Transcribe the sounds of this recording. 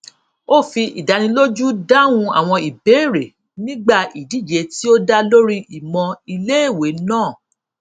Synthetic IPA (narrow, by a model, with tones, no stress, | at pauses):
o˦˨fi˧ʔḭ˨da˨˧nĩ˧lo˦d͡ʒu˦da˦wũ˧a̰˨w̃ɔ̃˧i˨be˨˦˨ɾe˨ | nĩ˦ɡ͡ba˦˨i˨di˨˦˨d͡ʒe˨˦ti˦o˦da˦lo˦ɾi˦ʔi˨mɔ̃˧i˧le˦e˦˨we˨˦nãː˦˨